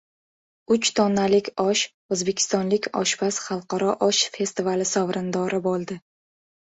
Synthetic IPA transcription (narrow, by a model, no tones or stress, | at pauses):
ʊt͡ʃt̪ʰɒnːalɪkʲɒʃ | ɵzbe̞kʲʰɪ̥st̪ɒnlɪkʲɒ̰ʃbasχɑlˠqɑɾɒʔɒʃfe̞st̪ivalɪsɒvɾɪnd̪ɒɾɪbolˠd̪ɪ